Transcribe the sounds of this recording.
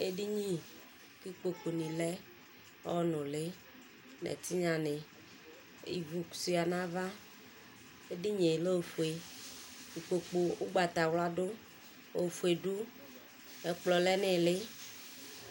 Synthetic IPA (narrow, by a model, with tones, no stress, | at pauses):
e˦ɖi˦ɲĩ˦ | ki˦k͡po˨k͡po˨nĩ˨lɛ˦ | wɔ˦nʊ̃˨le˦ | nɛ̰˨t̪i˦ɲã˨ne˨ | ḭ˨vu˨ku̥˨si˦a˨nã˦va˦ | e˦di˦ɲe˨lo˦˨fu˨e˨ | ki˨k͡po˨k͡po˨o˦ɡ͡ba˨t̪a˨wla˦ɖo˦ | o˨fu˨e˨ɖu˦ | e˨k͡plɔ˨lɛ˦nɪ˦lɪ˦